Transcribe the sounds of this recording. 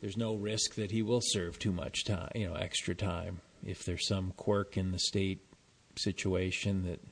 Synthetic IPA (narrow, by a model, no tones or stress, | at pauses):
ðə˞znoʊɹɪsk̚ðɨt̚hiwɪlˠsɜ˞v̥tʰumʌ̰t͡ʃtʰã̰jɨnoʊʔɛ̰kstɹ̥ɨtʰãɪ̃m | ɪ̰fðə˞z̥sʌ̃mkʰw̥ɜ˞kɨ̃nðɨsteɪt̚ | sɪt͡ʃueɪʃɨ̃nðɨt̚